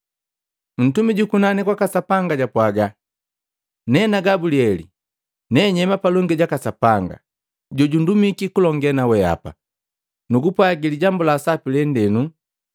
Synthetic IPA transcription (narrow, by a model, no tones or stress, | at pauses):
m̩tumiɟukunanikwakasapaŋɡaɟapwaɡa | nɛnaɡabuliɛli | nɛɲɛmapalɔŋɡɛɟakasapaŋɡa̰ | ɟɔɟundumikikulɔŋɡɛnawɛa̰pa̰ | nuɡupwaɡiliɟambulaːsapilɛndɛnu